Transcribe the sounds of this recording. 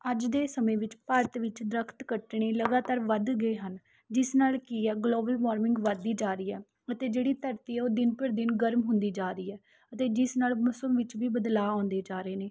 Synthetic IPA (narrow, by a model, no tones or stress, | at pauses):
əd͡ʒd̪eːsəmẽːʋɪt͡ʃpəɾət̪ʋɪt͡ʃd̪ɾəkʰt̪kəʈɽeːləɡaːt̪aːɾʋəd̪ɡəeːɦən | d͡ʒɪsnaːlkiːɛːɡloːbəlʋaːɾmɪŋɡʋəd̪ːiːd͡ʒaːɾiːɛː | ət̪eːd͡ʒeːɽiːt̪əɾt̪iːɛːoːd̪ɪnpəɾd̪ɪnɡəɾmɦʊ̃nd̪iːd͡ʒaːɾiːɛː | ət̪eːd͡ʒɪsnaːlmʊsəmʋɪt͡ʃʋiːbəd̪laːãːnd̪eːd͡ʒaːɾeːneː